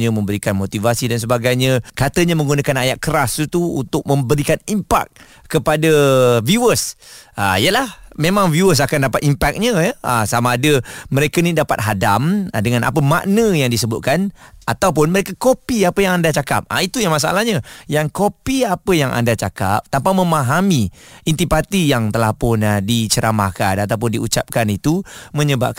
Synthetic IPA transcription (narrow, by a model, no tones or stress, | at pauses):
ɲəmə̃mbəɾikanmot̪ivasidans̬əbaɡajɲə̃kat̪əɲamə̃ŋɡunakanajaʔkːəɾast̪uṵnt̪ʊk̚mə̃mbəɾikanimpa̰k̚ː | əpadəviuəsʔa̰ijəlahmemãŋvjuəs̬akandapat̪impak̚ɲəjəəsamaːdəməɾekənidapat̪̚ɦadamdəŋana̰pəma̰ʔnə̃jaŋdisəbʊt̪̚kanat̪awp̬ʊnməɾekakopiapəjaŋandat͡ʃaka̰p̚a̰it̪ujaŋmas̬aa̰lahɲajaŋkopiapəjaŋʔa̰ndat͡ʃaka̰p̚t̪ampamə̃maɦamiint̪ipat̪ijaŋt̪əlahpʊnadit͡ʃəɾama̰hkanat̪awp̬ʊndiṵt͡ʃap̚kanit̪umə̃ɲəba̰p̚ka